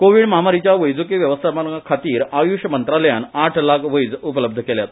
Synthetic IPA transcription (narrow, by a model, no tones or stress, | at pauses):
koʋiːɽməɦamaɾit͡ɕjaʋəjd͡zukiʋjəʋəst̪ʰamakʰat̪iːɾajuɕəmənt̪ɾaləjanaʈʰlakʰʋəjd͡zup̬ələb̚d̪ʱəkeljat̪